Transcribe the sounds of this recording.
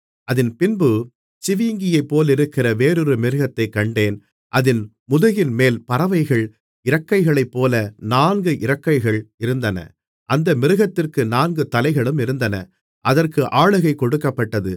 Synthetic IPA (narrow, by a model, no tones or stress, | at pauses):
ɐðɪnpɪnbɯ | t͡ʃɪʋiːŋɡɪjɐɪpːoːlɪɾɯkːɪrɐʋeːɾɯɾɯmɪɾɯɣɐt̪ːɐɪkːɐɳɖeːn | ʔɐðɪn | mʊðʊɣɪnmeːlpɐɾɐʋɐɪɣɐɭ | ɪɾɐkːɐɪɣɐɭɐɪpːoːlɐnaːnɡɯʔɪɾɐkːɐɪɣɐɭɪɾɯnd̪ɐnɐ̰ | ʔɐnd̪ɐmɪɾɯɣɐt̪ːɪrkɯnaːnɡɯt̪ɐlɐɪɣɐɭɯmɪɾɯnd̪ɐnɐ | ʔɐðɐrkɯʔaːɭɯɣɐɪkɔɽɯkːɐpːɐʈːɐðɯ